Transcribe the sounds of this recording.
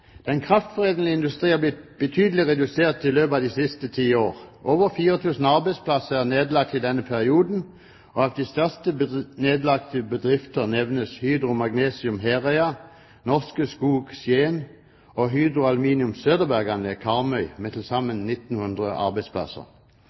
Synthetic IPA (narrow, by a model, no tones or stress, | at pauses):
d̪̥ɛnkʰʁɑft̪fɔʁeːd̪n̩lɪɪnd̪ʉst̪ʁiːhɑblɪt̪̚b̥ət̪ʰyːd̪əlɪʁɛd̪ʉseːʁt̪ɪløːpɑːʋd̪isɪst̪ət̪ʰiːoːʁʔoːʋəʁfiːʁət̪ʰʉːsn̩ɑʁbæɪspʰlɑsəæʁneːd̪lɑk̚t̪ɪd̪ɛnːəpʰæʁɪuːd̪n̩ | oɑʋd̪ist̪œʁst̪əneːd̪lɑk̚t̪əbəd̪ʁɪft̪əʁnɛʋnəshyːd̪ʁʊmɑɡneːsɪʉmɦeːʁɛɑ | nɔʁskəskuːɡsjeːn | oːɦyːd̪ʁʊɑlʉmiːnɪʉmsøːd̪əbæʁɡɑnəkʰɑʁmœʏmeːt̪ʰɪlsɑmːənnɪt̪n̩hʉnd̪ʁəʔɑ̰ʁbæɪspʰlɑ̰sə̰ʁ